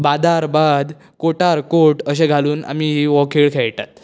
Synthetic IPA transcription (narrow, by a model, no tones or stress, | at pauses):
bad̪aɾbad̪ | koʈaɾkoʈəɕ̬ẽɡʱaluːna̰miɦiʋɔkʰiːɭkʰeɭʈ̪a̰t̪